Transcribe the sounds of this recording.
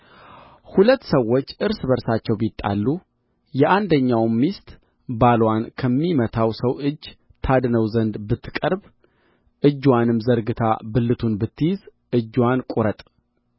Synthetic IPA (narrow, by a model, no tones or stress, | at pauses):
hulət̪ːsəwːo̞t͡ʃːʔɨɾsbəɾsat͡ʃːɛwbit̪ʼːa̰lːu | jɛʔand̪əɲːawmːist̪ʼ | balwankʰəmːimət̪ʰawsəwʔɨd͡ʒː | t̪ʰad̪nəwzənd̪bɨt̪ʰːɨ̥kʼəɾb | ʔɨd͡ʒːwanɨmzəɾɡɨt̪ʰa̰bɨlːɨt̪ʰunbɨt̪ʰːɨjɪz | ʔɨd͡ʒːwankʼuɾət̪ʼ